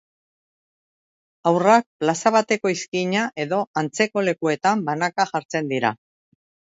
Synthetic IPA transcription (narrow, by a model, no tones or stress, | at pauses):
awrak̚plasaβ̞at̪e̞ko̞iskiɲaʔe̞ðo̞ant͡se̞ko̞le̞kue̞t̪ambanakaʝaɾt͡se̞nd̪iɾa̰